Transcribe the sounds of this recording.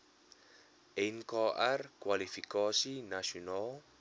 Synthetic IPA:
ɛnkɔʔarkwalifikɔsinasional

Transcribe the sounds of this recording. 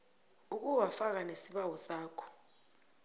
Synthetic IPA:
uk̬ʼuwafak̬anesiɓawɔsaːkʰɔ̥

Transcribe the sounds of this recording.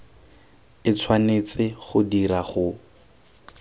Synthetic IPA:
ɪt͡sʰwanet͡sɪχʊdiɾaχʊ

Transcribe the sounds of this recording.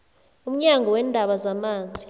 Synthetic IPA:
um̩ɲaŋɡɔwɛːndʱaɓazamaːnd͡zʱi

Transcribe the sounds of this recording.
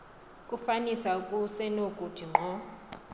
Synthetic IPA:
kʼufanisaukʼusɛnokʼutʰiŋ͡ǃʱɔ

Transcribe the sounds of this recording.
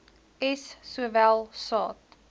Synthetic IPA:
ɛsːuəvælˠsɑːt̚

